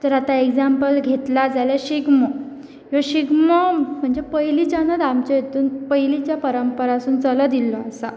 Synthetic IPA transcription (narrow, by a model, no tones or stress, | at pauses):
t̪əɾat̪aeɡd͡zampəlɡʱet̪lad͡zaljaɕiɡmə | əɕiɡməm̤əɳd͡zepəjlit͡ɕanəd̪amt͡ɕajet̪uːnpəjlit͡ɕjapəɾəmpəɾasuːnt͡sələd̪ilːɔasa